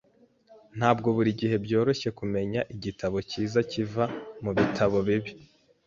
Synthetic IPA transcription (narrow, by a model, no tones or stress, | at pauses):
n̥haːbɡo̞βuɾiɟihe̞bjo̞ːɾo̞ʃe̞kume̞ɲaʔiɟitʰaβo̞ciːzacivamuβitʰaβo̞βiβi